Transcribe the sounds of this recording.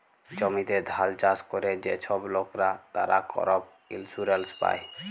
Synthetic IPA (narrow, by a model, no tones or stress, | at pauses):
d͡ʒɔmit̪ed̪ʱalt͡ʃaskɔɾed͡ʒet͡ʃʰɔblokɾat̪aɾakɔ̰ɾɔb̚ | ḭlsuɾelspa̰j